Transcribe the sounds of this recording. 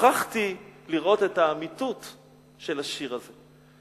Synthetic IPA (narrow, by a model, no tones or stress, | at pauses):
aχtiliʁo̞te̞taːmitut | ʃe̞laʃiʁaze